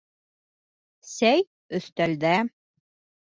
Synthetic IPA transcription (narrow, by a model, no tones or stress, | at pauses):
sæj | ɵ̆θt̪æld̪æ